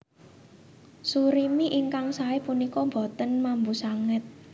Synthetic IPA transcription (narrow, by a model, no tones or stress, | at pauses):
suɾimiʔiŋkaŋsaepunikɔmbɔ̤t̪ənmambusaŋɪt̪̚